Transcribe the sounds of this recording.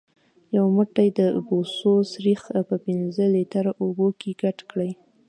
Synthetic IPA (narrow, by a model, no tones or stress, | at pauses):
jawməʈajd̪əbososɾixpəpɪnzəlet̪aɾaʔobokʰeɡaʈkɽaj